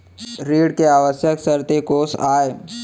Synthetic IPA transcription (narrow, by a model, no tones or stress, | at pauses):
ɾiːɽkeaːʋəsjəksəɾt̪ekoːsaːe